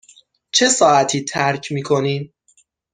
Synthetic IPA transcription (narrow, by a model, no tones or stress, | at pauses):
t͡ʃʰe̞sɒːʔæt̪ʰiːt̪ʰæɾcʰmiːkʰo̞niːm